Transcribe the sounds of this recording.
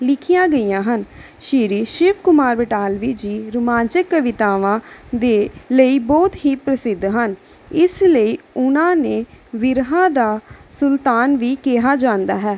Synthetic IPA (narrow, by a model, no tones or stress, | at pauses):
lɪkʰijãːɡəiːãːɦən | ʃiːɾiːʃɪpʰkʊmaːɾbəʈaːlʋiːd͡ʒiːɾʊmãːnt͡ʃɪkːəʋɪt̪aːʋãːd̪eːləiːbɔːt̪ɦiːpɾəsɪd̪ɦən | ɪsləiːʊnãːneːʋɪɾɦãːd̪aːsʊlt̪aːnʋiːkɛɦaːd͡ʒãːnd̪aːɦɛː